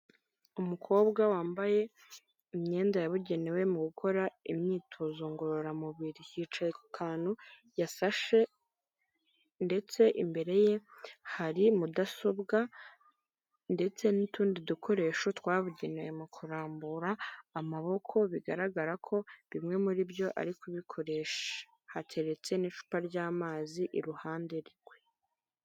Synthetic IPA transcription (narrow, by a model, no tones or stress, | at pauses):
umukʰo̞ːβɡawaːmbaje̞ | imɲe̞ːndajaβuɟe̞newe̞muɡukʰo̞ɾaimɲiːtʰozoŋɡoɾoɾamuβiɾihiːt͡ʃajekukʰaːn̥hu | jasaʃe̞ | nde̞t͡se̞ʔimbe̞ɾe̞je̞haɾimudaso̞bɡa | nde̞t͡se̞nituːndidukʰo̞ɾe̞ːʃotwaːβuɟinajemukʰuɾaːmbuɾaːmaβo̞kʰo̞βiɡaɾaɡaɾakʰo̞βimŋe̞muɾibjo̞ʔa̰ɾikuβikʰo̞ɾe̞ːʃḁ | hacʰe̞ɾe̞t͡se̞niʃu̥paɾɟaːmaːziʔiɾuhaːnde̞ɾiɾɡwe̞